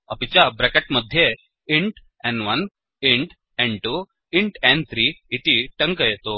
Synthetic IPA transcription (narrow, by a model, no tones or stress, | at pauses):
əpit͡ɕjabɾɛkeʈməd̪ʱje | iɳʈ | ɛ̃ɳʋən | iɳʈ | ɛ̃ɳɖʈu | iɳʈɛ̃ɳɖt̪ʰɾiːit̪iʈə̃ŋkəjet̪o